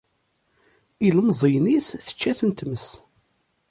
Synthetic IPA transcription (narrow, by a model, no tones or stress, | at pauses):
iləmzˤəjnisθə̥t͡ʃːæθənt̪məs